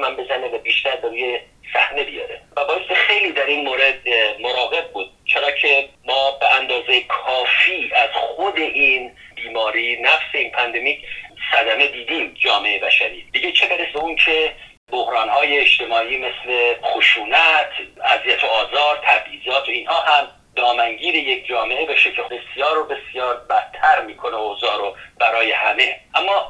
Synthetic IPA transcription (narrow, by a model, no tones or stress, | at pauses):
mæmbezæne̞væbiːʃt̪æɾbeɾuːje | sæ̰hne̞bijɒ̰ɾevæbɒːest̪ixe̞jliːd̪æɾinmoːɾe̞d̪̚moɾɒːɣe̞b̚buːd̪̥̚t͡ʃʰe̞ɾɒːcʰe̞mɒːbeænd̪ɒːzejekʰɒːfiːæz̥χod̪e̞ʔiːnbiːmɒːɾiːnæfse̞iːnpʰænd̪e̞miːcʰsæd̪æme̞d̪iːd̪iːmd͡ʒɒːmeejebæʃæɾiːb̥eɟet͡ʃʰebeɾesbeuncʰe̞ | bohɾɒːnhɒːjeːʃt̪e̞mɒːʔiːme̞sle̞xoʃuːnæt̪ʰæzijæt̪ʰoɒːzɒːɾt̪ʰæbhiːzɒːt̪ʰoinhɒːhæm | d̪ɒːmæŋɟiːɾe̞je̞kʰd͡ʒɒːme̞ʔebeʃecʰebe̞sjɒːɾobe̞sjɒːɾbæt̪ʰːæɾmiːkʰo̞neozɒːɾob̥æɾɒːje̞hæme̞ʔæmːɒː